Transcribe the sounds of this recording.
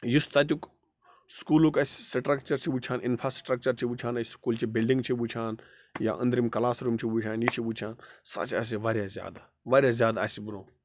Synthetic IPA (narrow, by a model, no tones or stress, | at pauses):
just̪aːt̪̬ʲjuk | skuːlokɐssʈɾɐk̚t͡ʃɐɾt͡ʃʰibut͡ʃʰaːnʔɪnfʰɾaːsʈɾɐk̚t͡ʃɐɾt͡ʃʰibut͡ʃʰaːnɐskuːlt͡ʃibilɖĩŋɡt͡ʃʰibut͡ʃʰaːn | ja̰ʔə̰nd̪ɾimkɐlaːsɾuːmt͡ʃʰibut͡ʃʰaːnjit͡ʃʰibut͡ʃʰaːnsa̰ːt͡ʃa̰ːs̬iʋaːɾʲjazʲja̰ːd̪a | ʋaːɾʲjaːzʲjaːd̪asibuɾõː